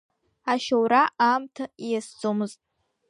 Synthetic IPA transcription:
aʃawɾaʔamtʰajasd͡zʼomɨztʼ

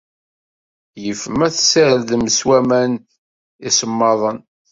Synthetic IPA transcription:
jəfəmæθsæɾðməswæmæn | isəmːɑðˤən

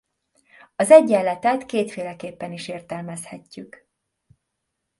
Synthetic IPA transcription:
ɒzɛɟːɛlːɛt̪ɛt̪keːt̪feːlɛkeːpːɛniʃeːrt̪ɛlmɛshɛcːyk

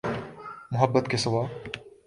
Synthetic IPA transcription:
mʊɦɐbːɐt̪̚kesɐwaː

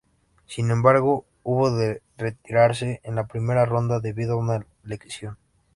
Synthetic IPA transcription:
sinẽ̞mbaɾɣo | uβoðe | re̞t̪iɾaɾs̬e̞ʔenlapɾime̞ɾaro̞nd̪aðe̞βiðoauna | le̞ksjo̞n

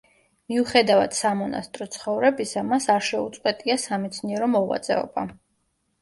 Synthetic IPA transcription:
miuχɛd̪ava̰d̪̥samɔna̰st̪ʼɾɔt̪sʰχɔvɾɛbisamasaɾʃɛut̪sʼqʼwɛt̪ʼiasamɛt̪sʰniɛɾɔmɔʁwa̰t̪sʼɛ̰ɔ̰ba̰

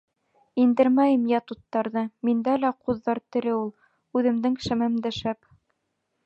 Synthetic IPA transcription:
ind̪ɘɾmæjɘmjæt̪ut̪ːɑɾðɤmind̪ælæquðːɑɾt̪ɘ̆ɾɘulˠ | ʉðɘ̆md̪ɘŋʃæmæmd̪æʃæp

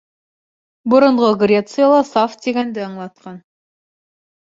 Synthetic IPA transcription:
bʊ̆ɾŏɴʁɤɡrʲet̪sɨjalˠɑsaft̪̚d̪ʲeɡʲænd̪ɘɑɴlˠɑt̪qɑn

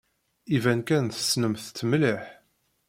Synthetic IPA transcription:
ivænkænθə̥snəmθt̪ːəmliħ

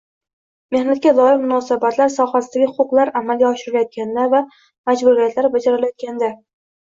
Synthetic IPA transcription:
me̞hnat̪̚kʲalˠɒjɪmʊnɒsabat̪laɾsɒχasɪd̪aɡʲɪhʊqʊqlˠaɾamalɡʲaɒʃɪɾɪlajɒt̪̚kʲand̪ava | mad͡ʒbuɾijat̪ʰlaɾbad͡ʒaɾɪlajɒt̪̚kʲand̪a

